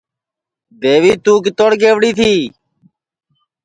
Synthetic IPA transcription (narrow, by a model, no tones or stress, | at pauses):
d̪eːʋiːt̪ũːk̬ɪt̪oːɽɡeːʋɽiːt̪ʰiː